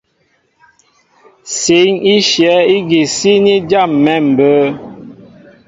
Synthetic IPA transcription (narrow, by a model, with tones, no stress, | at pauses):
se˨˦ŋi˦ʃjɛ˨˦i˦ɡi˨si˦ni˦d͡ʒa˦˨mːɛ˦˨m̩˨bə˨˦